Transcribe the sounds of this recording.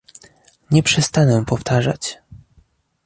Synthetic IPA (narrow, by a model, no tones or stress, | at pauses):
ɲɛpʂɛst̪anɛpɔft̪aʐa̰t͡ɕ